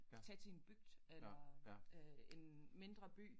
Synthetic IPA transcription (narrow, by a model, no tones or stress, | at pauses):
t͡sʰɛt͡sʰeenb̥yɡ̥d̥elɐ | e̝nme̝nd̥ʁɐb̥y̰ː